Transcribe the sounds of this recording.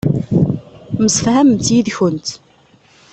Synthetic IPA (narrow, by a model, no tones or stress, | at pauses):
məsəfhæməmt̪jiðçənt̪